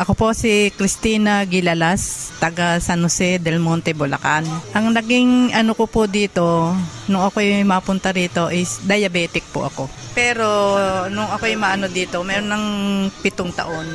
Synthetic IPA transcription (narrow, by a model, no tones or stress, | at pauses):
ʔɐkopo̞sikɾɪst̪iːnɐɡɪlɐlast̪ɐɡasɐnʊsɛd̪ɛlmont̪ɛbʊlɐ̰kanʔɐŋnɐɡiŋʔɐnokopʊd̪iːt̪o̞nʊŋɐkojmapʊnt̪ɐɾiːt̪o̞ʔɪsd̪ɐjɐbɛːt̪ɪk̚pʊ̰ʔɐ̰ko̞ | pɛːɾo̞nʊŋʔɐkojmaʔɐnod̪iːt̪o̞mɛːɾonːɐŋpɪt̪oŋt̪ɐ̰ʔo̞n